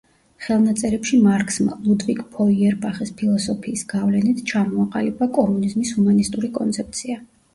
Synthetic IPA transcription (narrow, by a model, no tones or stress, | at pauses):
χɛlˠnat̪sʼɛɾɛpʃimaɾkʰʼsma̰lˠud̪vikʼpʰɔiɛɾbaχispʰilˠɔsɔpʰiːsɡ̥avlɛnit̪ʰt͡ʃʰamɔaqʼalɛbakʼɔmunizmishumanist̪ʼuɾikʼɔnt̪sʰɛp̚t̪sʰia